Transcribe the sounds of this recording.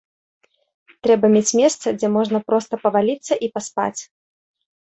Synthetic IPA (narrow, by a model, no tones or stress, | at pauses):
t̪ɾɛbɐmʲet͡sʲmʲɛst̪sɐd͡zʲɛmɔʐnɐpɾɔst̪ɐpɐvalʲit̪sːɐʔipaspa̰t͡sʲ